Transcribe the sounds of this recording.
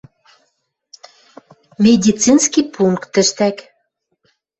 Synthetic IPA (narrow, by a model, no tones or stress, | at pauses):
mʲed̪ʲit͡sinskipuŋkt̪ːə̆ʃt̪æk